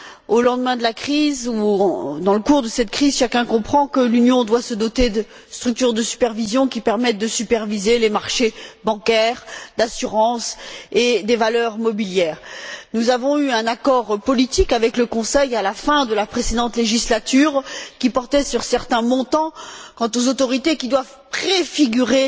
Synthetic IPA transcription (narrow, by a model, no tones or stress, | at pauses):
olɑ̃d̪mɛ̃d̪əlakχizũd̪ɑ̃ləkuʁd̪əsɛt̪kχizʃakʲɛ̃kɔ̃pχɑ̃kəlynjɔ̃d̪wasəd̪ɔt̪ed̪ə | st̪χyk̚t̪yʁd̪əsy̥pɛʁvizjɔ̃kʲipɛʁmɛt̪̚d̪əsypɛʁvizelemaʁʃebɑ̃kɛʁd̪asyʁɑ̃sed̪evalœʁmɔbiljɛːʁnuzavɔ̃yɛ̃nakɔʁpɔlit̪ikavɛkləkɔ̃sɛjalafɛ̃d̪əlapχesed̪ɑ̃t̪leʒislat̪yːʁkʲipɔʁt̪ɛsyʁsɛʁt̪ɛ̃mɔ̃t̪ɑ̃kɑ̃t̪ozot̪ɔʁit̪ekʲid̪wav | pχefiɡʲyʁe